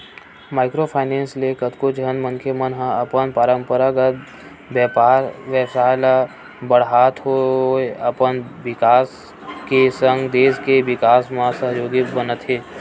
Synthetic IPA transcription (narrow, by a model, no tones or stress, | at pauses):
maːɪkɾopʰaːɪneːnslekət̪kod͡ʒənməŋkʰemənɦəɐpənpaːɾəmpəɾaɡət̪̚ | bjɛːpaːɾʋjəsaːjla | bəɽɦaːt̪ɦoeɐpənʋɪkaːs | kesə̃ŋɡd̪eːskeʋɪkaːsmãsəɦjoːɡibənət̪ɦeː